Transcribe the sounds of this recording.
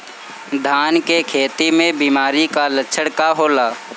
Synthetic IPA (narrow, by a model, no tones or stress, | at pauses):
d̪ʱaːnkekʰeːt̪imẽbiːmaːɾikalətːʃʰəɽkaɦoːlaː